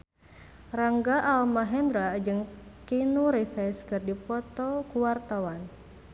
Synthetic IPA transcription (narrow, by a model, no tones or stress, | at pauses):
raŋɡaʔːlmaɦɛnd̪ɾad͡ʒɨŋkinuɾifɛskɨrdipɔt̪ɔkuwart̪awan